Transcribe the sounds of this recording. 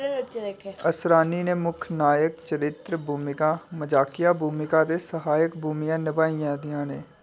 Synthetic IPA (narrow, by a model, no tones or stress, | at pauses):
kəsɾaːnineːmʊkʰnaːjəkt͡ʃəɾɪt̪ɾəbʱuːmɪkãːməd͡ʒaːkɪjaːbʱuːmɪkaːt̪esəɦaːjək̚bʱuːmɪjãːnɪʋaːijãːd̪ɪjãːneː